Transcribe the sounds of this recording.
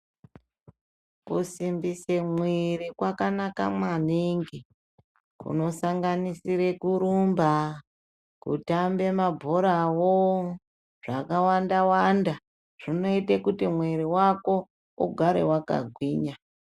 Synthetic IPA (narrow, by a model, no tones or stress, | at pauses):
kusimbisemwirikwakanaka̰mwaniŋɡi | kṵno̞saŋɡanisiɾe̞kuɾumba | kṵtambe̞mabʱoɾawo | ʐ̥akawandawanda | ʐ̥ino̞itekutimweɾiwako̞ | ṵɡʱaɾewaka̰ɡʱwiːɲa